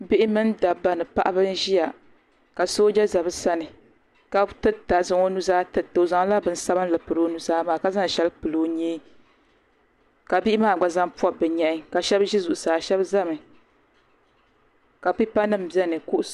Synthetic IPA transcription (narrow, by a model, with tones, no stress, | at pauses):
bɪ˦ʔɪ˦mɨ˦n˦da˨ba˨nɨ˨pa̰˦ʔa˦bɨ˦n˦ʒi˦ja˨ | ka˨so˦d͡ʒɛ˦za˨bɨ˦sa˦nɨ˨ | ka˨tɨ˦ta˨zɨ˨ŋo˦nu˦zaː˦tɨ˦to˨za˨ŋ˦la˦bɨ˦n˦sa˦bɨ˦n˦lɨ˨pɨ˨ɾo˦nu˦zaː˦maː˨ka˦za˦ŋ˨ʃɛ˦lɨ˦pɨ˨lo˦ɲeː˦ | ka˨bi˦ʔɪ˦maː˦˨ɡ͡ba˨za˦ŋpɔ˦bɨ˨ɲɛ˨ʔɪ˦ka˨ʃɛ˦bʒi˦zu˨ʔʊ˨saː˨ʃɛ˦bza˦mɨ˨ | ka˨pi˦pa˦nɨ˦m̩˨bi˦ɛ˦nɨ˨ku˦ʔʊ˦